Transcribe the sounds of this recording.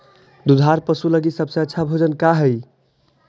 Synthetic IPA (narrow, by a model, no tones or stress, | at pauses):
d̪ud̪ʱaɾpəsuləɡisəbsə̃ətːʃʰabʱod͡ʒənkaɦəj